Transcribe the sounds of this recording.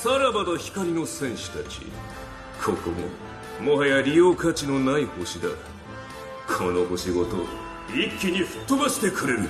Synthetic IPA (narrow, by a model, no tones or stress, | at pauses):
saɾamad̪açi̥kaɾʲino̞sẽ̞ɰ̃ɕɨ̥t̪at͡ɕḭ | kʰo̞ko̞mo̰ | moɦajaɾʲijo̞ːkat͡ɕino̞naiho̞ɕid̪a̰ | kʰo̞no̞ho̞ɕiɡo̞t̪o̞̰ | ikʲːiɲ̟iɸɯ̟̥t̪ːomaɕi̥t̪e̞kɯ̟ɾe̞ɾɯ